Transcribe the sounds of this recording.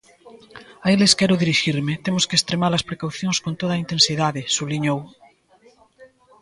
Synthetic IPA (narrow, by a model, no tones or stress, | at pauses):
aeleskɛɾoðiɾiʃiɾmet̪emoskest̪ɾemaɾlɐspɾekawθjõŋskont̪oðaint̪ensiðaðesuβliɲow